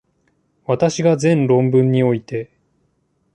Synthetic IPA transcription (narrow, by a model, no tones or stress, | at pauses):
βat̪aɕiɡazẽ̞nɾõ̞mbɯ̟̃ɲ̟ːio̞it̪e̞